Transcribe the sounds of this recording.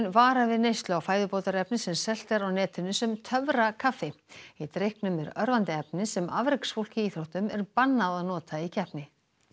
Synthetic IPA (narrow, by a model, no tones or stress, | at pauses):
nvaːɾavɪðnejst̪lʏawfaːjðʏpoːwt̪aɾɛpnɪsɛmsɛl̥t̪ɛɾawnɛːt̪ʏnʏsɛmt̪ʰœvɾakʰafːɪit̪ɾehknʏmɛɾœɾvant̪ɪɛpnɪsɛmavɾɪksfowl̥cɪiːθɾowht̪ʏmɛɾpanːaðaðnɔːt̪ʰaicʰɛhpnɪ